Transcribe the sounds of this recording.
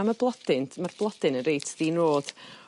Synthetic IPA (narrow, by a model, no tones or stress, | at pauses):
marblˠɔdɪnmarb̥lˠɔd̥ɪnənɾejtʰd̥iːnroːd̥